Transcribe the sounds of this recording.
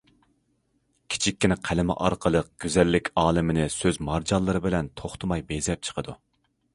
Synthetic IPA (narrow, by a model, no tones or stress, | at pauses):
kʲʰi̥t͡ʃʰikʲːinɪqʰælɪmɪ̰ʔɑ̰ɾqʰəlˠəq̚ɡ̥ʲøzɛlːɪkʲɑːlˠɪmɪnɪsøzmɑɾd͡ʒɑlˠːɨɾɨbɪlɛnt̪ʰoχt̪ʰʊmɑjbezlɛp̚t͡ʃʰə̥qʰəd̪u